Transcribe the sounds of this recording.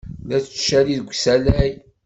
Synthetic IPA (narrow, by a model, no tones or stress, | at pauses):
læt͡sʃæliðəɡʷsælæj